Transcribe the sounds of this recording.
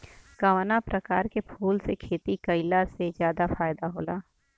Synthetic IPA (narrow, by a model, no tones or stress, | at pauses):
kawnapɾɐkaːɾkepʰuːlsekʰeːt̪ikɐɪlasezjaːd̪afaːjd̪aɦoːlaː